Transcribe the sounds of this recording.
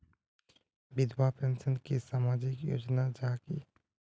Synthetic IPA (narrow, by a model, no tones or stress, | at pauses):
bɪd̪wapẽnsənkisaːmaːd͡ʒɪkjo̰ːd͡ʒnad͡ʒaːkḭ